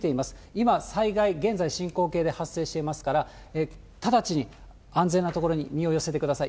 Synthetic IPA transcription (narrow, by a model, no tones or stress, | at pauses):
t̪e̞imasɨ̥imasaiɡaiɡẽ̞nzaiɕĩŋko̞ːke̞ːd̪e̞hasːe̞ːɕi̥t̪e̞imasɨ̥kaɾa | e | t̪ad̪at͡ɕiɲ̟i | ãnd͡ze̞nːat̪o̞ko̞ɾo̞ɲ̟imʲio̞jo̞set̪e̞kɯ̟d̪asai